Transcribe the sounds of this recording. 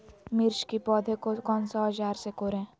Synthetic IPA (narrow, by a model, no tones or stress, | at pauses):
mɪɾʃkipɔːd̪ʱekokɔːnsad͡ʒaːɾsekoːɾẽː